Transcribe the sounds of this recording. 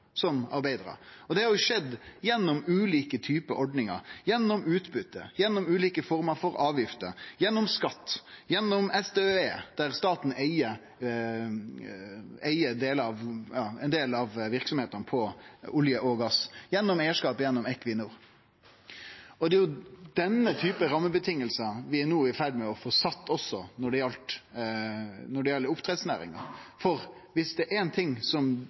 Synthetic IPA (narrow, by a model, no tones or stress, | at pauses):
sɔmɑɾbæɪd̪ɾɑ̰ɔd̪ɛhɑɾjʊʂɛd̪ːjɛnːɔmʉːliːkət̪ʰyːpəʔɔɖnɪŋə̰ɾjɛnːɔmʉːt̪bʉt̪ːəjɛnːɔmʉːliːkəfɔɾməɾfɔɾɑːʋjɪft̪ə̰jɛnːɔmskɑt̪ːjɛnːɔmɛsd̪eːeːd̪̥æɾst̪ɑːt̪n̩æɪə | æɪəd̪eːləɑʋjɑːɛ̰nd̪eːlɑʋʋɪɾksɔmheːt̪ɑnpʰɔʊljəʔɔɡɑsjɛnːɔmeɪəʂkɑːpjɛnːɔmɛkːʋɪnʊɾ | ɔd̪ɛjʊd̪̥ɛnːət̪ʰyːpəɾɑmːəbət̪ʰɪŋːəlsɑʋɪænuːɪfæɾɖ̪mɛɔfɔsɑt̪ːɔsːɔnɔɖɛjɛlt̪ | nɔɖɛjɛlːəʊpt̪ʰɾɛd̪snæ̰ːɾɪ̰ŋɑ̰fɔɾʋɪsd̪ɛʔɛnt̪ʰɪŋsɔm